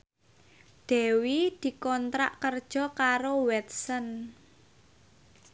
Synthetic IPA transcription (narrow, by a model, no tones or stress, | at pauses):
d̪̥ɛ̤wid̪̥i̤kɔnt̪ɾa̰ʔkərd̥ʒ̥ɔ̤kaɾowɛt̪̚sən